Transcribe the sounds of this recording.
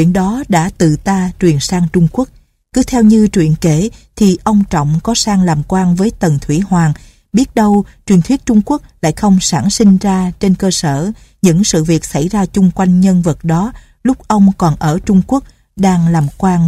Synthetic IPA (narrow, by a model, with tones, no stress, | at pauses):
t͡ɕi˧˩ənɗɔ˨˦ɗa̰ː˧˥t̪ɨ̰˧˨t̪aː˧t͡ɕwi˨˩ənsaː˧ŋt͡ɕʊ˧ŋ͡mku˦˥ək̚ | kɨ˨˦t̪ʰɛ˧wɲɨ˧t͡ɕwḭ˧˨ənke˨˧˩t̪ʰi˨˩ʔə˧wŋ͡mt͡ɕɔ̰˧˨wŋ͡mkɔ˨˦saː˧ŋlaː˨˩mkwaː˧ŋvəː˨˦jt̪ə˨˩nt̪ʰwi˧˩hwaː˨˩ŋ | ɓi˦˥ət̚ɗə˧wt͡ɕwi˨˩nt̪wi˦˥ət̚t͡ɕʊ˧ŋ͡mku˦˥ək̚la̰ː˧˥jxə˧wŋ͡msaː˧˩ŋsï˧ŋ̟zaː˧t͡ɕe˧nkəː˧səː˧˩ | ɲɨ̰˧˥ŋsɨ̰˧˨vi˨˩ək̚sa˧˩jzaː˧t͡ɕʊ˧ŋ͡mkwa˧jŋ̟ɲə˧nvə˨˩t̚ɗɔ˨˦ | lʊ˦˥k͡p̚ʔə˧wŋ͡mkɔ˨˩nʔəː˧˩t͡ɕʊ˧ŋ͡mku˦˥ək̚ | ɗaː˧ŋlaː˨˩mkwaː˧n